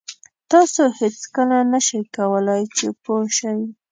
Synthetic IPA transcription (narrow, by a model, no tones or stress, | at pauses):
t̪ɑsohet͡skəlanəʃajkawəlajt͡ʃepoʃaj